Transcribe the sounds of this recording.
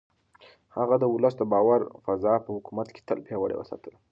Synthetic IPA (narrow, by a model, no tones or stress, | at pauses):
haɣad̪əʊləs̬d̪əbɑwaɾfazɑpəhʊkumat̪ke̥t̪ə̰lpjewəɽḛwə̰sɑ̰t̪əl